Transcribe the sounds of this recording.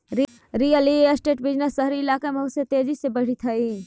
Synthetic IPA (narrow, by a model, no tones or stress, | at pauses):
ɾ | ɾijəlieəsʈeːʈbɪd͡ʒnəsəɦɾiɪlaːkamɐɦʊsjet̪eːd͡ʒisebɐɽ̤it̪ʰɐi